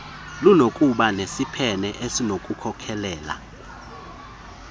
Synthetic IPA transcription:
lunokʼuɓanesipʰɛnɛʔesinokʼukʰɔkʰɛlɛːla̰

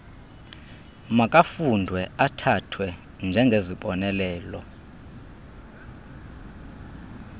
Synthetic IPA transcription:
makʼafundʱwɛatʰatʰwɛ | nd͡ʒʱɛŋɡʱeziɓɔnɛlɛːlɔ

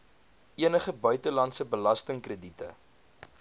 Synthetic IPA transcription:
ʔiənəχəbœɥtəlɐntsəbəlɐstəŋkrəditə̰

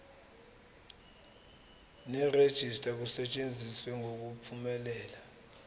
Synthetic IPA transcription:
nɛred̥ʒ̥ʱistʼak̬usɛt͡ʃʼend͡zʱiswɛŋok̬upʰumɛlɛːla

